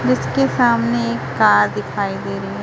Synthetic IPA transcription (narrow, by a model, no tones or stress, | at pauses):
d͡ʒɪskesaːmneeːkːaːɾd̪ɪkʰaːid̪eːɾɐiɦɛ̃